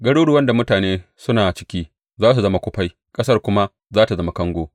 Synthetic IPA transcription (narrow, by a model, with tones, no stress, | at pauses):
ɡɐ˦ɽuː˦ɽu˨wɐ˦nda˨mʊ˦taː˨neː˦sʊ˦naː˨t͡ʃɪ̥˦kʲiː˦ | zaː˦s̬u˨zɐ˦ma˦kʷʊ˦ɸa˦j | kʼɐ˦sɐ˦rkʷʊ˦ma˦ | zaː˦ta˨zɐ˦ma˦kɐ˦ŋɡʷoː˦